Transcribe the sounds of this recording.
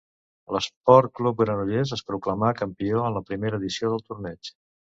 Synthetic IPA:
ləspɔɾt̪̚klup̚ɡɾənuʎezəspɾukləmakəmpioənləpɾimeɾəːðisioðəlˠt̪uɾnɛt͡ʃ

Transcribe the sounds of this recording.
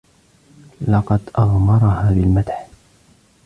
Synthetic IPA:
lɑqɑd̪ʔɑɣˤmɑɾˤhaːðalmat̪ħ

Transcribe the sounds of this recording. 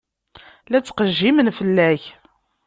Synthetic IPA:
læt͡sːqəʒːimənfəlːæç

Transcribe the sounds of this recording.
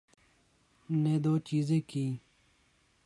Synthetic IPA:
neːd̪oːt͡ɕiːzeːkiː

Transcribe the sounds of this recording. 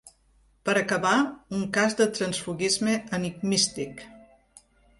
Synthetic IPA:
pəɾəkəβauŋkazðət̪ɾənsfuɣizmeəniɡmist̪ik

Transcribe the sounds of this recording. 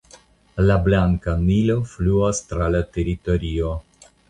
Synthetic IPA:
lablaŋkanilo̞fluastɾalate̞ɾito̞ɾio

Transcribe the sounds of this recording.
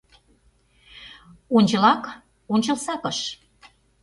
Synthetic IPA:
onʲt͡ɕɤ̆lɑk | onʲt͡ɕɤ̆lsɑkəʃ

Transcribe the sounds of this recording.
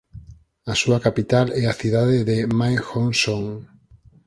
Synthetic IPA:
asuakapit̪alɛaθiðaðeðemajxonsoŋ

